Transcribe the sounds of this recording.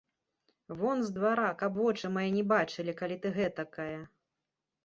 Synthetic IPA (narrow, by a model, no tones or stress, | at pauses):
vɔnzd̪vaɾakabvɔt͡ʂɨmajɛnʲɛbat͡ʂɨlʲikalʲit̪ɨɣɛt̪ɐkajɐ